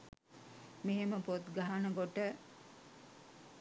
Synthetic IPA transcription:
meɦeməpot̪ɡaɦanɐɡoʈə

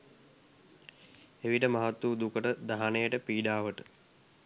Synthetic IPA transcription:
eʋiʈəmaɦat̪ːuːd̪ukəʈəd̪aɦanejəʈəpiːɖaːʋəʈə

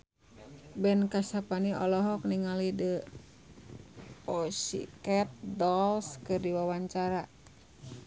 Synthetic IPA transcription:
bɛnkasapaniʔɔlɔɦɔk̚niŋalidə | ɔsḭkɛt̪̚dɔlskɨrdiwawaɲt͡ʃaɾa

